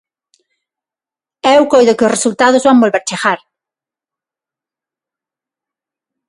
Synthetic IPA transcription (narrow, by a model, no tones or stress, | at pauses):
ɛwkojðʊkɪosresult̪að̞ʊzβaŋbolβeɾt͡ʃeɣaɾ